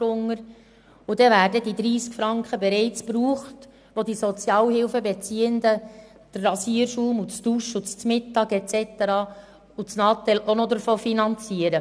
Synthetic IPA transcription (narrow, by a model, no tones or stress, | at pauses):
ʊŋːəɾ | ud̥ɛvæːɾdədid̪ɾiːskfɾɑŋkχəbɛɾɛɪt͡spɾuːχt | ʋod̪isɔt͡sjɑːlhɪlfəbɛt͡siːənd̪ə | d̪̥əɑsiːəɾʃuːmut͡sd̥uʃut͡st͡smɪtːɑːɡɛt͡sɛt̪əɾɑː | ut͡snɑːt̪ɛlʔonɔd̪əɾfoːfinɑnt͡siəɾə